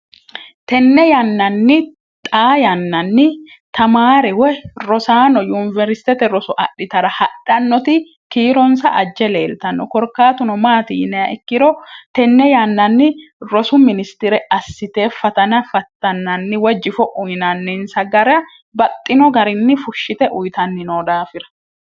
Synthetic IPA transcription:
t̪ɛnːɛjanːɐnːɪ | t̪ʼaːjɐnːɐnːɪ | t̪ɐmaːɾɛwɛɾɔsaːnɔjunɪvɛɾsɪ̥t̪ɛt̪ɛɾɔsʊʔɐɗːɪt̪ɐɾɐhɐɗ̥ɐnːɔt̪ɪ | kiːɾɔnsɐʔɐd͡ʒːɛle̞̰ːlt̪ɐnːɔ̰kɔɾkːaːt̪ʊnɔmaːt̪iːnɛɐʔɛkːɪɾɔt̪ɛnːɛjanːɐnːɪɾɔsʊmɪnɪst̪ɪɾɛɐsːɪt̪e̞ːfɐt̪ɐnɐfɐt̪ːɐnːɐnːɪwɛd͡ʒɪfɔʔʊjnɐnːɪnsɐɡɐɾɐ | bɐt̪ʼːɪnɔɡɐɾɪnːɪfʊʃːɪt̪ɛʔʊjt̪ɐnːɪnoːd̪aːfɪɾɐ̥

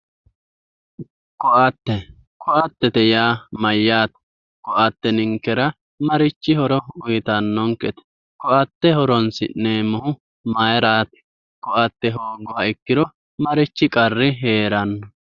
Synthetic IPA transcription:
kɔʔɐt̪ːɛ | kʰɔʔɐt̪ːɛt̪ɛjaːmɐjːaːt̪ɛ̥ | kɔʔɐt̪ːɛnɪŋkːɛɾɐ | mɐɾɪt͡ʃːɪhɔɾɔʊjt̪ɐnːɔŋkʼːɛt̪ɛ̥ | kɔʔɐt̪ːɛhɔɾɔnsɪ̰nneːmɔhʊ | mɐjɾaːt̪ɛ̥ | kɔʔɐt̪ːɛɦoːɡɔhɐɪkːɪd̪ɔ | mɐɾɪt͡ʃːɪkʼɐrːɪɦeːɾɐnːɔ

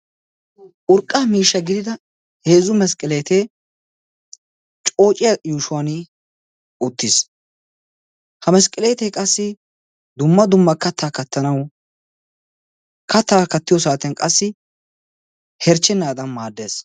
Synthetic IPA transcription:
ʔʊɾkʼːamiːʃːɐɡɪd̪ɪd̪ɐ | he̞ːzʊmɛskʼɪleːt̪e | t͡ʃʼo̞ːt͡ʃʼɪjajuːʃʊwan | ʊt̪ːɪs | hɐmɛskʼːɪleːt̪eːkʼɐsːɪ | d̪ʊmːɐd̪ʊmːɐkɐt̪ːaːkɐt̪ʰːɐnɐw | kɐt̪ːaːkɐt̪ːɪjɔs̬aːt̪ɛnkʼɐsːɪ | hɛɾt͡ʃːɛnːaːd̪ɐnmaːd̪ːe̞ːs

